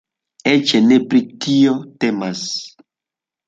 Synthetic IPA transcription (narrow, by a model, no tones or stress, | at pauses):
et͡ʃenepɾikiotemas